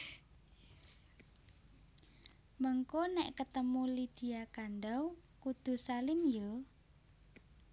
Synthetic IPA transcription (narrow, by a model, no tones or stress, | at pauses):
məŋkonɛʔkət̪əmulid̪̥i̤akanɖawkud̪̥ṳsalɪnjo